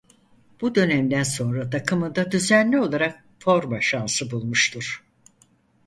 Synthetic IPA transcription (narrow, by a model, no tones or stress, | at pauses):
b̥ud̪ø̞næmd̪ænso̞nɾad̪akʰɯmɯd̪ad̪yzænlʲio̞lˠaɾak̚ | fo̞ɾmaʃansɯbulˠmuʃt̪ʰuɾ̥